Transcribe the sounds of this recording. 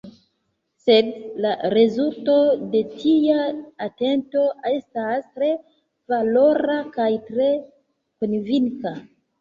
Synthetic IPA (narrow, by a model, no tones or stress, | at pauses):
se̞dlaɾe̞zulto̞de̞tʰijaate̞nto̞ʔe̞stastɾe̞ | valo̞ɾakajtɾe̞ | konviŋka